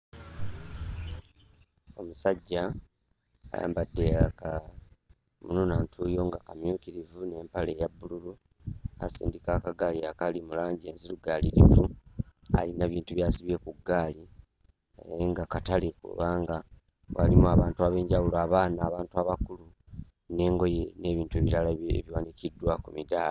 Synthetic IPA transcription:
o̞musaɟːa | a̰ja̰ːmbadːeaka | mununaːntʰujo̞ŋɡakamjuːkiɾivune̞ːmpale̞jabːululu | a̰sḭːndikaːkaɡaːliakalimulaːɲɟieːnziluɡaːliɾivua̰linaβiːntuβjaːsiβje̞kuɡːaːli | eŋɡakatalekṵβaːŋɡa | wa̰limuaβaːntuaβe̞ːɲɟawulaːβaːnaːβaːntuaβakulu | ne̞ːŋɡo̞je̞ne̞βiːntue̞βiɾalaḛβjwanikidːwakumidaːla

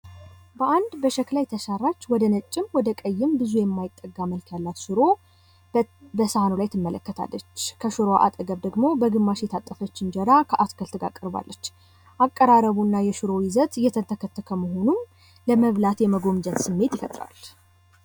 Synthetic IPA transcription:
bəʔand̪bəʃɛklajt̪ʰəʃarːat͡ʃːwɔd̪ənət͡ʃʼːɪmwɔd̪əkʼəjːɪmbɨzujɛmːajɪt̪ʼːəɡːaməlkʰjalːat̪ʃɨɾo̞ | bəsəanolajt̪ʰːɨmːələkːət̪ʰa̰lːət͡ʃːkʰəʃɨɾoʔa̰t̪ʼəɡəβd̪əɡmo̞bəɡɨmːaʃjɛt̪ʰat̪ʼːəfət͡ʃːɪnd͡ʒɛɾakʰəʔaskʰəlt̪ʰɡa̰kʼːəɾba̰lːət͡ʃː | ʔakʼːəɾaɾəβunːajɛʃɨɾo̞jɪzət̪jɛt̪ʰət̪ʰəkʰət̪ʰːəkʰəməɦo̞num | ləməβlat̪jɛməɡo̞md͡ʒət̪sɨmːe̞t̪jɪfət̪ʼɾa̰l

